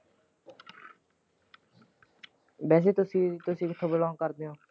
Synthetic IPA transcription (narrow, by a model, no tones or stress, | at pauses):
bɛːs̬eːt̪ʊsĩːt̪ʊsĩːkɪt̪ʰõːbəlɔ̃ːkəɾd̪eːɦõː